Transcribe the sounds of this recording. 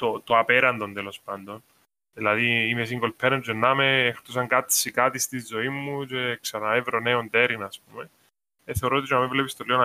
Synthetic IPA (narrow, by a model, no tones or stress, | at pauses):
t̪ot̪oapeɾɐnd̪o̞nd̪elo̞spɐnd̪o̞n | ðilɐðiimesiŋɡo̞lpʰeɾent͡ʃenːameext̪usɐŋkat̪sikat̪ist̪izːo̞imːut͡ʃe̞ksɐnɐevɾoneont̪eɾinɐsp̚ume | eθeoɾot̪it͡ʃonɐmevlepist̪oliona